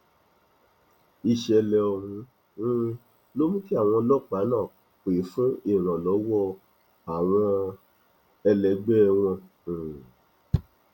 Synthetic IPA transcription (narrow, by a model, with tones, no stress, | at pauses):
i˧˨ʃɛ˧lɛ˧ɔ˧hũ˧˦˧ | lo˦mũ˦ki˦a˦˨w̃ɔ̃˧lɔ˦˨k͡pa˨˦nãː˦˨ | k͡pe˨˦fu˦i˦˨ɾ̃ã˨lɔ˨˦wɔ˦ | a˨w̃ɔ̃˧ | ɛ˧lɛ˨˦ɡ͡bɛ˦˧w̃ɔ̃˧˨